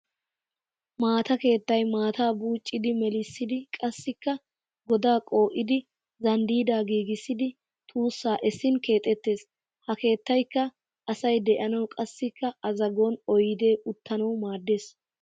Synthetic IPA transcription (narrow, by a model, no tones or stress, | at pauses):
maːt̪ɐke̞ːt̪ːɐjmaːt̪aːbuːt͡ʃʼːɪd̪ɪmɛlɪsːɪd̪ɪkʼɐsːɪkːɐ | ɡɔd̪aːkʼo̞ːʔɪd̪ɪ | zɐnd̪iːd̪aːɡiːɡɪsːɪd̪ɪ | t̪ʰuːsːaːʔɛsːɪnke̞ːt̪ʼːɛt̪ːe̞ːs | hɐke̞ːt̪ːɐjkːɐ | ʔɐsɐjd̪ɛʔɐnɐwkʼɐsːɪkːɐʔɐzɐɡonɔjɪd̪e̞ːʔʊt̪ːɐnɐwmaːd̪ːe̞ːs